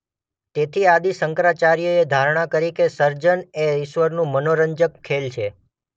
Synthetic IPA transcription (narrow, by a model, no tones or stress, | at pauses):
t̪et̪ʰiad̪isəŋkɾat͡ʃaɾijoed̪ʱaɾɳ̃akəɾikesəɾd͡ʒəneɪʃʋəɾnũmənoɾəɲd͡ʒəkʰːelt͡ʃʰe